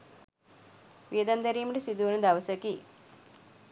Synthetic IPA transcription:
ʋiəd̪and̪ɐɾiːməʈisid̪uʋnɐd̪aʋəsəki

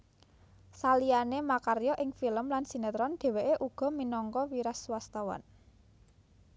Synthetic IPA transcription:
salianemakaɾjɔʔɪŋfiləmlansinet̪ɾɔnd̪̥e̤weʔeʔuɡ̥ɔ̤minɔŋkɔwiɾaswast̪awa̰n

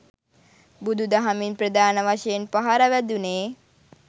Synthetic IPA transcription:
bud̪ʱud̪aɦaminpɾəd̪aːnəʋaʃejenpaɦaɾaʋæd̪uneː

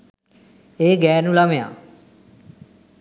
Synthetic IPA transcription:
eːɡɛːnũːlaːʋeːã̰ː

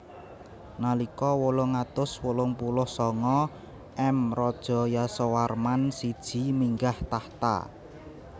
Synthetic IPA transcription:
nalikɔwolʊŋat̪ʊswolʊŋpulʊhsɔŋɔ | ʔɛmrɔd̥ʒ̥ɔ̤jasowarmansid̥ʒ̥i̤miŋɡaht̪aht̪a̰

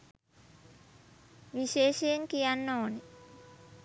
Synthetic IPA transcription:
ʋiʃeːʃejeŋkijanːoːne

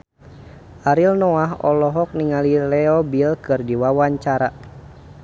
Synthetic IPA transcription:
ʔaɾilnɔaɦɔ̰lɔɦɔk̚niŋalilɛɔbilkɨrdiwawaɲt͡ʃaɾa

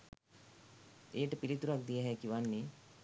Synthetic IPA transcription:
ejəʈəpilit̪uɾak̚d̪ijəɦɛkiʋanːi

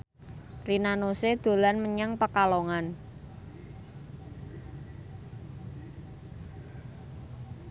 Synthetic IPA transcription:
rinanosed̪̥o̤lanməɲəŋpəkaloŋan

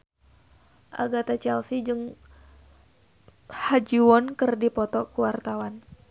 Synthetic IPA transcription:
ʔa̰ɡat̪at͡ʃɛlsid͡ʒɨŋ | had͡ʒiwɔnkɨrdipɔt̪ɔkuwart̪awan

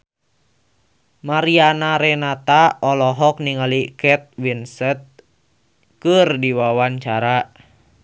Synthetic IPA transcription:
maɾianaɾɛnat̪aɔlɔɦɔk̚niŋalikɛt̪̚winsɛt̪̚ | kɨrdiwawaɲt͡ʃaɾa

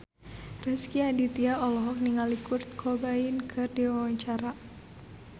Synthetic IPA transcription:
rɛskiadit̪iaʔɔlɔɦɔk̚niŋalikʊrt̪̚kʰobainkʰɨrdiwawaɲt͡ʃaɾa

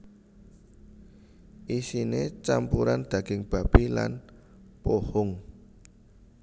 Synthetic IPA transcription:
ʔisinet͡ʃampuɾand̪̥ä̤ɡ̥ɪŋb̥a̤b̥ila̰n | pohʊŋ

